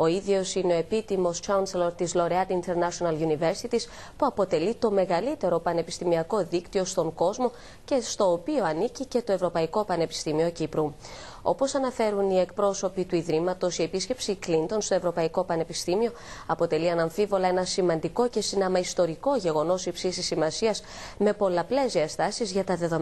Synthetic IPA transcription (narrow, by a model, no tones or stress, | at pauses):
o̞iðʝo̞sine̞o̞e̞pit̪imo̞st͡ʃɐunseloɾt̪izlo̞ɾeɐd̪int̪e̞ɾnɐsonɐlʝunive̞ɾsit̪is | puɐpo̞t̪e̞lit̪o̞me̞ɣɐlit̪e̞ɾo̞pɐne̞pist̪imiɐko̞ðikt̪io̞st̪o̞ŋɡo̞zmo̞ | ce̞st̪o̞ːpio̞ɐnicice̞t̪o̞e̞vɾo̞pɐiko̞pɐne̞pi̥st̪imio̞cipɾu | o̞̰po̞sɐnɐfe̞ɾunie̞k̚pɾo̞so̞pit̪uiðɾimɐt̪o̞sie̞pisce̞psiklint̪o̞nst̪o̞evɾo̞pɐiko̞pɐne̞pist̪imio̞ | ɐpo̞t̪e̞liɐnɐɱfivo̞lɐe̞nɐsimɐnd̪iko̞ce̞sinɐmɐist̪o̞ɾiko̞ʝe̞ɣo̞no̞sipsisisimɐsiɐs | me̞po̞lɐple̞ziɐst̪ɐsizʝɐt̪ɐðe̞ðom